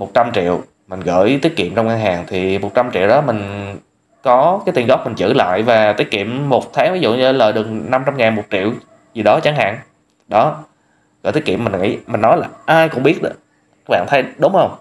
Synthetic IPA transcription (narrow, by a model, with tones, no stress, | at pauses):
mo˨˩t̚t͡ɕa˧mt͡ɕḭ˧˨əw | mï˨˩ŋ̟ɣə̰ː˧˥˩jt̪i˨˦˥ət̚kḭ˧˨əmt͡ɕɔ˧wŋ͡mŋaː˧ŋɦaː˨˩ŋt̪ʰi˨˩mo˨˩t̚t͡ɕa˧mt͡ɕḭ˧˨əwɗɔ˨˦m˨˩ŋ̟ | kɔ˨˦kaː˨˦t̪i˧˩əŋɣɔ˦˥k͡p̚mï̟˨˩t͡ɕɨ̰˧˩la̰ː˧˨jvaː˨˩t̪i˦˥ət̚kḭ˧˨əmːo˨˩t̚t̪ʰaː˨˦ŋvi˨˦zṵ˧˨ɲɨ˧ləː˨˩jɗɨ˨˩əŋna˧mt͡ɕa˧mŋaː˨˩nmo˨˩t̚t͡ɕḭ˧˨əw | zi˨˩ɗɔ˨˦t͡ɕa˨˦ŋɦa̰ː˧˨ŋ | ɗɔ˨˦ | ɣə̰ː˧˩jt̪i˦˥kḭ˧˨əmi˨˩ŋ̟ŋḭ˧˥mï˨˩ŋ̟nɔ˨˦jlaː˨˩ʔaː˧jkʊ̰˧˥ŋ͡mɓi˦˥ət̚ɗɨ˨˩ | ka˥k̚ɓa̰ː˧˨nt̪ʰjɗʊ˨˦ŋ͡mhə˧wŋ͡m